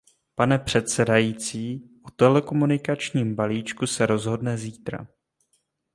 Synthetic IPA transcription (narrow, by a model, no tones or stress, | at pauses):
panɛpr̝̥ɛt̪sɛdajiːt͡siːʔut̪ɛlɛko̞munɪkat͡ʃɲiːmbaliːt͡ʃkusɛɾo̞zɦo̞dnɛziːt̪ɾa̰